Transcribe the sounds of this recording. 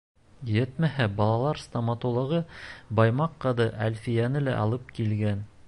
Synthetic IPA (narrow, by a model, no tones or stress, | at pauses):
jɘt̪mæhæbɑlˠɑlˠɑɾst̪ɐmɑt̪ulˠɤ̆ʁɤbɑjmɑqːɑðɤʔæ̰lʲfijænɘlæ̰ʔɑ̰lˠɤp̚kilɡæn